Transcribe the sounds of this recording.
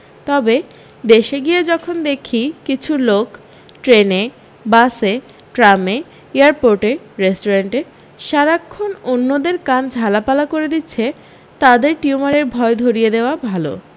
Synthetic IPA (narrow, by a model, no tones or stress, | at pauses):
t̪ɔbe | d̪eʃeɡijed͡ʑɔkʰond̪ekʰikit͡ɕʰulok | ʈɾene | base | ʈɾame | eaɾpoɾʈe | ɾesʈoɾeɳʈe | ʃaɾakʰːononːod̪eɾkand͡ʑʱalapalakoɾed̪itːɕʰe | t̪ad̪eɾʈiumaɾeɾbʱɔed̪ʱoɾijed̪eoabʱalo̰